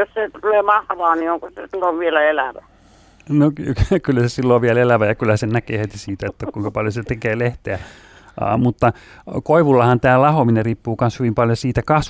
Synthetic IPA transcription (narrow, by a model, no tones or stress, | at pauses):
josset̪uleːmɑhʋɑːnioŋkosesilːoʋʋielæelæʋæ | nokykylːæsesilːoːʋʋiælelæʋæjɑkylhæsenækeːhet̪isiːt̪æet̪ːækuiŋkɑpɑljoset̪ekeːleht̪eæ̰ | mut̪ːɑ | koiʋulːɑhɑnt̪æːlɑhomineriːpːuːkɑnshyʋimpɑljosiːt̪ækɑs